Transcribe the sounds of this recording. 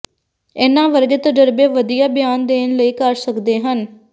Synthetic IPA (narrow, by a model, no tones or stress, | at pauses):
eːnãːʋəɾɡet̪əd͡ʒəɾbeːʋəd̪ijaːbɪjaːnd̪eːnləiːkəɾsəkd̪eːɦən